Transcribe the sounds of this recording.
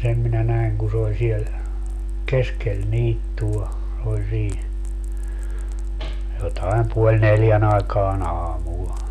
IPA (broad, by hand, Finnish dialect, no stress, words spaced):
sem minæ næi̯ŋ ku s oːlʲ siel keskel niːtːuɑ olʲ siː jotɑem puolʲ neljæn ɑekɑːn ɑːmul